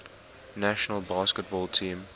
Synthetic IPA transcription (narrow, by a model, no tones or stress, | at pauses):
næʃənəlˠbaːskət̚bɔːlˠtʰĩːm